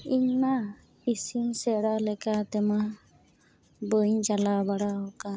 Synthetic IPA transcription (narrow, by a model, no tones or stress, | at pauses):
iɲna | isimsɛɽalɛkat̪ɛma | bəɲd͡ʒalabaɽaɦɔka